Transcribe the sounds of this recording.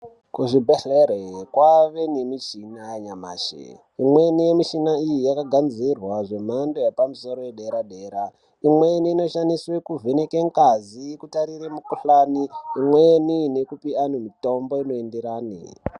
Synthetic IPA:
kuʐibʱeɬeɾekwaʋe̞nemit͡ʃinajaɲama̰ːʃḛ | imwe̞nijemiʃinaijijakaɡʱanzirwaʐe̞m̤andojapamuso̞ɾo̞jeɗe̞ɾaɗe̞ːɾa | imwe̞niːno̞ʃaniswekuvʱenekeŋkazikutaɾiremukuɬaniimwenine̞kupianomito̞mbo̞ino̞endeɾaːnḭ

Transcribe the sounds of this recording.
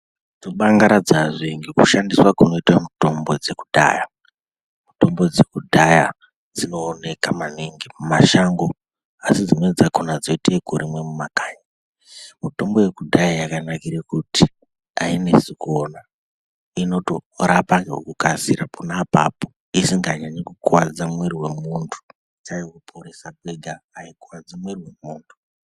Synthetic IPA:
d͡zoɓaŋɡaɾad͡zaʐeŋɡikuʃandiswakuno̞itwamuto̞mbo̞d͡ze̞kudʱa̰ːja | muto̞mbo̞d͡ze̞kudʱaja | d͡zino̞ːne̞kamaniŋɡimumaʃaŋɡo | asid͡zino̞ed͡zakunad͡zoitekuɾimwe̞mumakaːɲa | muto̞mbo̞jekudʱajajakanakiɾekuti | a̰ine̞sikona | ino̞to̞ɾapaŋɡeo̰kukasiɾapʰunapa̰po | isiŋɡaɲaɲikukwad͡zamweɾiwe̞muntʰu̥ | t͡ʃajikupʰoɾesak̚weɡʱaːikwad͡zimweriwe̞muːntʰu̥

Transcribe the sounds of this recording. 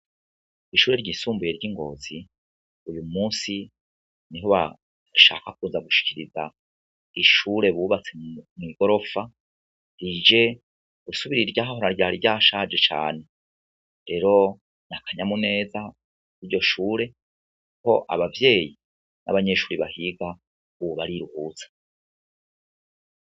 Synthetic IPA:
iʃuːɾe̞ɾɟiːsuːmbuje̞ɾɟiŋɡo̞̰ːzi | ujumuːsi | niɦo̞βa̰ | ʃa̰ːkak̚uːnzaɡuʃi̥ciɾiza | iʃuːɾe̞βuβat͡se̞mŋiɡo̞ɾo̞fa | ɾid͡ʒe̞ | ɡ̥usuβiɾiɾɟaːɦaho̞ɾaɾɟaːɾiɾɟaːʃad͡ʒe̞t͡ʃa̰ːne̞ | ɾe̞ɾo̞ | nakʰaɲamune̞ːza | iɾɟo̞ʃuːɾe̞ | kuko̞̰ʔa̰βavje̞ːji | nʔa̰βaɲe̞ʃuːɾiβahiɡa | uuβaɾiɾuhuːt͡sḁ

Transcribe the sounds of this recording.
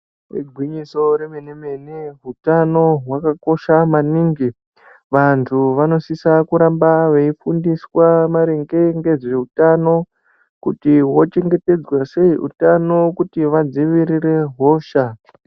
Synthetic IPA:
rḛɡʱwiɲiso̞ɾemeneme̞neɦutano̞ɦwakako̞ʃamaniːŋɡi | ʋantʰuʋano̞sisakuɾambaʋeifundiswamaɾeŋɡe̞ŋɡe̞ʐe̞utano̞ | kutiɦwo̞t͡ʃe̞ŋɡe̞te̞d͡zwase̞iʔṵtano̞kutiʋad͡ziʋiɾiɾe̞ɦo̞ːʃa

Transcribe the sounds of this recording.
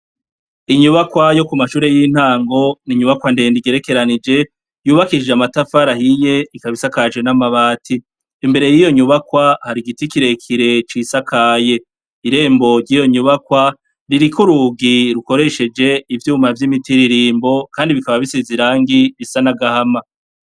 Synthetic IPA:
iɲuβakwajo̞kumaʃuːɾejin̥haːŋɡo̞niɲuβakwandendiɡe̞ɾe̞ke̞ɾanid͡ʒe̞ | juːβakid͡ʒeamatafaɾahije̞ikaβisakad͡ʒwenamaβaːtʰiː | mbe̞ɾe̞jijo̞ɲuβakwahaɾiɡitikiɾe̞kʰiɾe̞t͡ʃisakʰaːje̞ | iɾe̞ːmbo̞ɾɟijo̞ɲuβakwa | ɾiɾikuɾuɡiɾuko̞ɾe̞ʃe̞d͡ʒe̞ivjuːmavjimitiɾiɾiːmbo̞kaːndiβikaβaβiseziɾaːŋɡiβisanaɡahama

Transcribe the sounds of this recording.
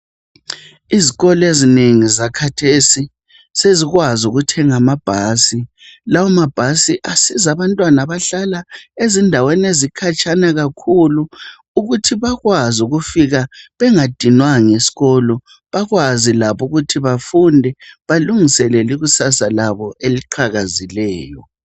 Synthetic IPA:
iziɣɔlɔezineŋizakʰatʰesi | seziɣwazuɣutʰɛŋamab̥ʱaːsi | lawamab̥ʱasiʔasizaβantʼwanaβaɬalaezindʱawɛnezikʰat͡ʃʼanaɣakʰuluː | ɣutʰiβaɣwazuɣufiɣaβɛŋad̥ʱinwaŋesi̥ɣɔlɔ | βaɣwazilaβuɣutʰiβafundʱɛβaluŋisɛlɛliɣusasalaβɔʔeliǃʰaɣazilɛːjɔ

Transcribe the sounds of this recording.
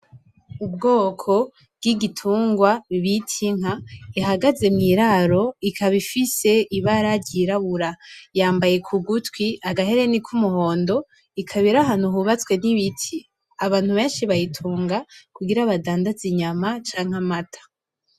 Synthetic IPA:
ub̚ɡo̞ːkʰo̞ | bɡ̥iɡitʰuːŋɡwaβiβitʰiŋ̥aiɦaɡaze̞mŋiːɾaɾo̞ikʰaβifise̞ʔiβaɾadɟiɾaβuɾajaːmbaje̞kʰuɡutwiʔaɡaɦe̞ɾe̞nikʰumuho̞ːndo̞ | ikʰaβiɾaɦanuɦuβat͡skwe̞niβitʰi | aβaːn̥huβe̞ːnʃiβajitʰuːŋɡakuɡiɾaβadaːndaziɲamat͡ʃaːŋ̥amatʰḁ

